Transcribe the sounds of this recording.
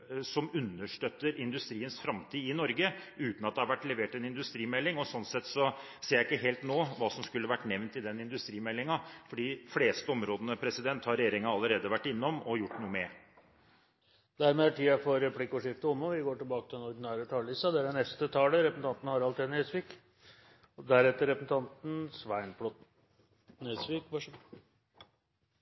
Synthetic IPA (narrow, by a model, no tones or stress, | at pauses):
sɔmʉnːəʂʈœt̪ːəɾɪnd̪ʉst̪ɾiːənsfɾɑmt̪ʰiːɪnɔɾɡəʉːt̪n̩ɑt̪̚d̪ɛhɑɾʋæʈːlɛʋeːʈɛnɪnd̪ʉst̪ɾiːmɛlːɪŋɔsɔnsɛt̪ːsɔ | seːɾjæɪɪkːəɦeːlt̪noːʋɑːsɔmskʉlːəʋæʈːnɛʋnt̪ɪd̪ɛnːɪnd̪ʉst̪ɾiːmɛlːɪŋɑfɔɖiːfleːst̪əɔmɾoːd̪ənəpʰɾɛsɪd̪ɛnt̪hɑɾɛjeːɾɪŋɑɑlːəɾeːd̪əʋæʈːɪnːɔmɔjʊʈːnuːəmɛ | d̪æɾmeːæʈʰiːɑfɔɾɛpʰlɪkːɔʂɪft̪əɔmːɔʋɪɡoːʈɪlbɑːkət̪ʰɪlɛnɔɾd̪ɪnæːɾət̪ʰɑːllɪst̪ɑd̪ɛæɖɛnɛst̪ət̪ʰɑːləɾɛpəsn̩t̪ɑnt̪n̩hɑɾɑlt̪ʰɛnɛsʋiːk | d̪æɾɛt̪ːəɾɛpəsn̩t̪ʰɑnt̪n̩sʋæɪnpʰlɔt̪ | nesʋiːkʋɑʂ